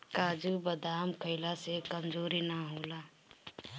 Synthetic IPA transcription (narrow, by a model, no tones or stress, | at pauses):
kaːd͡ʒubəd̪aːmkʰəɪlasekɐmd͡ʒoːɾinaɦoːlaː